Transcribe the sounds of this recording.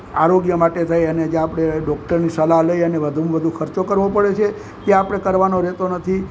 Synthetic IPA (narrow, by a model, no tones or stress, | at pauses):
aɾoɡjəmaʈet̪ʰajəned͡ʒẽapɽ̃eɖɔk̚ʈəɾnisəlaɦləjənebəd̪ʱumbəd̪ʱukʰəɾt͡ʃokəɾʋopəɽet͡ʃʰe | k̪ẽapəɽ̃ekəɾʋanoɾɛt̪onət̪ʰi